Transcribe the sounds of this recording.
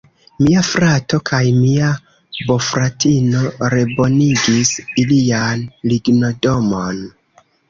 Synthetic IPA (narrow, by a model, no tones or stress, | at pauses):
miafɾato̞kʰajmia | bo̞fɾatino̞ɾe̞bo̞niɡisilianliɡno̞domo̞n